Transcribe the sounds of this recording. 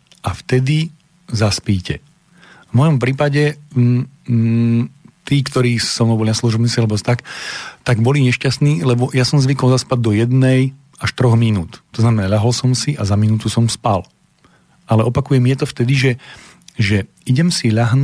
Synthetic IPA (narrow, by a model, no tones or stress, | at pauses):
ʔaft̪ɛd̪i | zaspiːcɛ | vmɔjɔmpɾiːpaɟɛ | t̪iːkt̪ɔɾiːsɔmɔbɔlinaslˠuʒɔbnisialɛbɔt̪akt̪aɡbɔliɲɛʃcast̪niːlɛbɔjasɔmzʋikɔlzaspad̚d̪ɔjɛd̪nɛj | aʃt̪ɾɔɣminuːt̪t̪ːɔznamɛnaʎaɦɔlsɔmsiʔazaminuːt̪usɔmspal | ʔalɛʔɔpakujɛmjɛt̪ɔft̪ɛd̪iʒɛ | ʒɛ | iɟɛmsiʎaɦn